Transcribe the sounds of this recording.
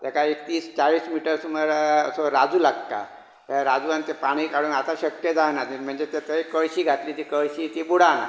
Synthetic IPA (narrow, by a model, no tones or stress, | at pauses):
t̪akaekt̪iːst͡ɕaɭiːsmiʈəɾsuməɾəsoɾad͡zuːlaɡ̚ka̰ | t̪aɾad͡zuant̪epaɽ̃iːkaɽuːnat̪aɕəkjəd͡zaɦnad̪inm̤əɳd͡zet̪et̪əikəɭɕiːɡʱat̪liːt̪iːkəɭɕiːt̪ibuɽana̰